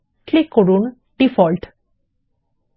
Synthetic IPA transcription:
klikːoɹun | ɖ̥ifɔlʈ

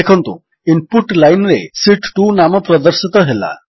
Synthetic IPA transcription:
ekʰɔnt̪ṵ̃ | impuʈlajnɾesiʈʈunamɔpɾɔd̪ɔɾsit̪ɔɦela̰

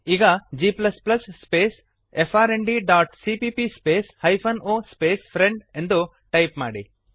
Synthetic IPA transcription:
iɡad͡ʒiplɐsplɐsːpes | epʰaɾeɳɖiɖaːʈsipipispeshajpʰɐnospespʰɾɛ̃ɳɖɛ̃nd̪u | ʈajpma̰ːɖḭ

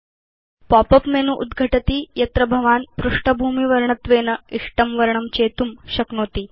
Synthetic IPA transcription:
pɔpəpmenuʔud̪ɡʱəʈɐt̪iːjɐt̪ɾəbʱɐʋaːnpɾuʂʈəbʱuːmiʋɐɾɳət̪ʋeːnɐiʂʈəmʋɐɾɳɐmt͡ɕeːt̪umɕɐknoːt̪iː

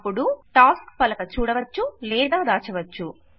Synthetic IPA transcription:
pːuɽuʈaːskpɐlɐkɐt͡ʃuːɽɐʋɐt͡ʃːulɛːd̪aːd̪aːt͡ʃɐʋɐt͡ʃːu

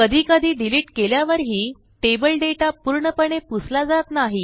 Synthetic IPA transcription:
kəd̪ʱiːkəd̪ʱiːɖiliːʈkeljaʋəɾɦiː | ʈebəlɖeʈapuːɾɳəpəɳeput͡slad͡zat̪naɦi

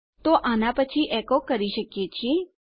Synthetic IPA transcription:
t̪oʔaːnapət͡ʃʰiʔɛːkokɐɾiʃəkiet͡ʃʰi

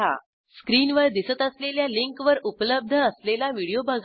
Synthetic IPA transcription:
a̰ | skɾiːnʋəɾd̪isət̪əsleljaliŋkʋəɾupələb̚d̪ʱəːslelaʋiɽijobʱaɡ

